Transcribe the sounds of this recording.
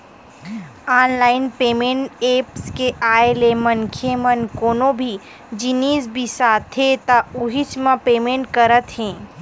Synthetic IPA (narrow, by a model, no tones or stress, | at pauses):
aːnlaːɪnpeːmẽːɳʈeːpskeʔaːelemɐnkʰemɐnkoːnõbʱi | d͡ʒiniːsbʱisaːt̪ʰɦẽt̪auɦit͡ʃmãpeːmẽːɳʈ̚kəɾət̪ɦɛ̃ː